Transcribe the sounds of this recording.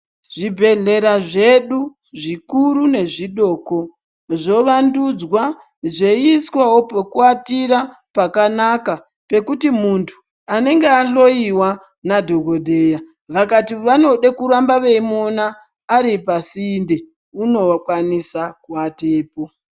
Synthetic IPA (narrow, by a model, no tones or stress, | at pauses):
ʐibʱe̞ɮe̞ɾaʐe̞ɗu | ʐikuɾune̞ʐiɗo̞ːko̞ | ʐo̞ʋandud͡zwa | ʐe̞iskwawo̞pokuatiɾa | pakanaka | pe̞kutimuntʰu̥ | ane̞ŋɡeaɬo̞iwa | nadʱo̞ɡʱodʱe̞ːja | ʋakatiʋano̞ɗekuɾambaʋe̞imonaː | ɾipasiːnde̞ | uno̞wakwanisakuateːpo̞